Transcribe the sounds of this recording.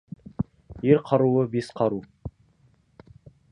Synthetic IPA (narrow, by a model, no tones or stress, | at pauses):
jeɾqʰɑɾuəbesqʰɑɾu